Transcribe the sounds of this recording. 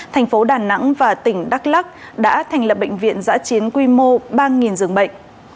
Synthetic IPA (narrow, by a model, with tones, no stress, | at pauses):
t̪ʰɛ˨˩ŋ̟fo˨˦ɗaː˨˩na̰˧˥ŋvaː˨˩t̪ï˧˩ŋ̟ɗa˦˥k̚la˦˥k̚ɗa̰ː˧˥t̪ʰɛ˨˩jŋ̟lə˨˩p̚ɓə̰˧˨jŋ̟vḭ˧˨ənza̰ː˧˥t͡ɕi˨˦ənkwi˧mo˧ɓaː˧ŋi˨˩nzɨ˨˩əŋɓə̰˧˨ŋ̟